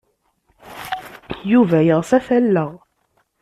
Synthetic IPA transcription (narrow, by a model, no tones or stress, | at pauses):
juvæjəʁsæfælːəʁ